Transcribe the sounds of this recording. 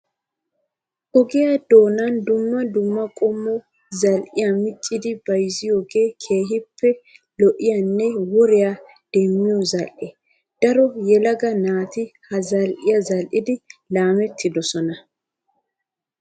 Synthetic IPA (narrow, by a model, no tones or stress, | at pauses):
ʔɔɡɪjad̪o̞ːnɐnd̪ʊmːɐd̪ʊmːɐkʼɔmːɔ | zɐlʔɪjɐmɪt͡ʃʼːɪd̪ɪbɐjzɪjoːɡe̞ːkʰe̞ːɦɪpʰːɛlɔʔɪjɐnːɛwɔɾɪja | d̪̥ɛmːɪjɔzɐlʔɛ | d̪̥ɐɾɔjɛlɐɡɐnaːt̪ɪhɐzɐlʔɪjɐzɐlʔɪd̪ɪlaːmɛt̪ʰːɪd̪ɔsɔnɐ